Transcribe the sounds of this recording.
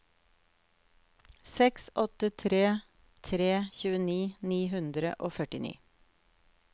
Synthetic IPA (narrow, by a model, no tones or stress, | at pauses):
sɛksʔɔt̪ət̪ʰɾeː | t̪ʰɾeːçʉːəniːniːɦʉnd̪ɾə̰ʔoːfœʈɪnḭː